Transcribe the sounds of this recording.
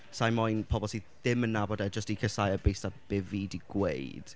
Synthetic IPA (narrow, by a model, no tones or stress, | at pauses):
sajmɔjnpʰɔbɔlˠsiðɪmənːabɔdɛd͡ʒəstikʰəsajəbejstab̥ɪvidiɡ̥wḛjd̥